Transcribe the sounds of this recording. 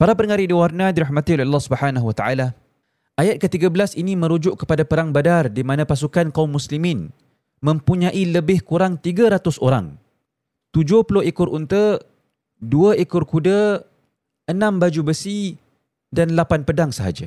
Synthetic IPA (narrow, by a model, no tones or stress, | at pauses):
paɾapəɾəŋaɾidiwarnadiɾahmãt̪iolealːahsubəħanaɦwət̪aʔala | ʔajat̪̚kət̪iɡabəlasinĩmə̃ɾud͡ʒʊʔkə̥padapəɾaŋbadardimanãpas̬ukankaumːuslimĩn | mə̃mpuɲaʔiləbɪhkuɾaŋt̪iɡaɾat̪ʊsoɾa̰ŋ | t̪ud͡ʒʊhpulʊhikʊrʔunt̪ə | duəʔikʊrkudə | ənãmbad͡ʒubəsi | danlapanpədaŋsəɦa̰d͡ʒa̰